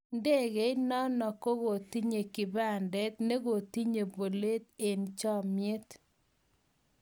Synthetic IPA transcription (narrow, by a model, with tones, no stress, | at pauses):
nde˦˨ɡe˨˦ɪnɔ˦nɔ˨ko˦ɣo˨t̪i˦ɲe˨kɪ˨ba˦˨ndɛ˦t̪ne˦ɡo˨t̪i˦ɲe˨bo˨le˦t̪e˨nt͡ʃɔ˦˨mje˦t̪